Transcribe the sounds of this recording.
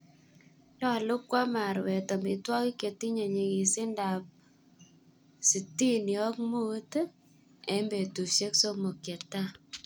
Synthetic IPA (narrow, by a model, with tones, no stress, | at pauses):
ɲɔ˦˨lʊ˦kwa˦ma˨ɾwɛ˨tɔ˨mi˨twɔ˦ki˦ke˨ti˦ɲe˨ɲe˨ki˨sɪ˦nda˨p̚ | si˨ti˦njɔ˦kmu˦t | e˨mbe˨tu˨ʃe˦kso˦mo˨kje˨ɾta˦